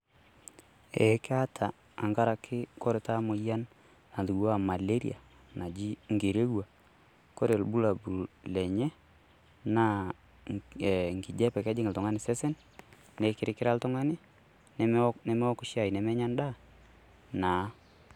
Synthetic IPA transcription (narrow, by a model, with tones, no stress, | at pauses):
ɛ˨˦kɪ˦a˦tʰaː˨ | ŋɡa˦ɾa˨kʰːɪ˦kɔ˦ɾɪ˨ta˦mʊ˨ja˦n | na˨ðu˨ɣa˦˨ma˨le˦ɾḭ˦a̰˨ | na˨d͡ʒi˦ŋɡe˨ɾe˦ɣwa˨ | ko˦ɾe˨lbu˦la˨bu˨lɛ˨ɲɛ˦ | na˦˨ | ŋɡɪ˨d͡ʒɛ˦pɛ˨ka˦d͡ʒɪ˦ŋɪ˨ltʊ˨ŋa˦nɪ˨sɛ˦sɛ˦n | nɛ˨kɪ˦ɾɪ˦kɪ˦ɾa˦ltʊ˦ŋa˦nɪ˦ | nɛ˦nɛ˦mɛ˦ɔ˦kʊ˦ʃja˨jnɛ˨mɛ˦ɲa˦nda˦ | naː˨˦